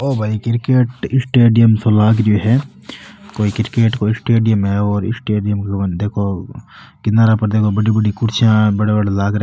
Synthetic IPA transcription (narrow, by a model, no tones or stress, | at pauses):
oːbʱaːikɪɾkeːʈɪsʈeːɖijəmsolaːɡɾoɦɛː | koːikɪɾkeːʈkoisʈeːɖijəmɦɛɔːɾɪ̰sʈeːɖijəmknd̪eːkʰo | kɪnaːɾapɐɾd̪eːkʰobɐɽibɐɽikʊɾt͡ʃʰjãbɐɽebɐɽelaːɡɾe